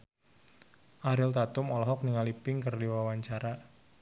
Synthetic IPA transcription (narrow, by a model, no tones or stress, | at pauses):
ʔaɾɪlt̪at̪ʊmɔlɔɦɔk̚niŋalipɪŋkərdiwawaɲt͡ʃaɾa